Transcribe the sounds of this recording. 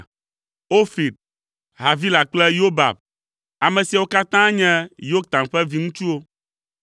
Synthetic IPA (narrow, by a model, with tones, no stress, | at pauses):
o˦fi˨d̪̚ | ɦa˨vi˦la˨k͡plɛ˦jo˦ba̰˨b̚ | a˨mɛ̃˨si˨a˨wo˦ka˦t̪ã˦ɲɛ̃˦jo˦k̚t̪ã˨nɸɛ˦vi˦ŋũ˦t͡ʃu˦o˦